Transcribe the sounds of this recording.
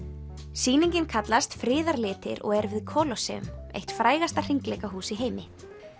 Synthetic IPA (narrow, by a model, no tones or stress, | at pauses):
siːniɲcɪnkʰat̪last̪fɾɪːðaɾlɪːt̪ɪ̰ɾɔ̰ɣɛɾvɪðkʰɔlɔsɛ̰ʏ̰mḛjht̪fɾaːjɣast̪ar̥iŋklɛːkaɦuːsiɦeːjmɪ